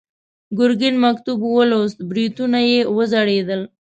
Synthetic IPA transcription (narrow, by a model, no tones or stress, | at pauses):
ɡʊɾɡɪnmakt̪ubwəlost̪̚bɾit̪unajewəzaɽed̪əl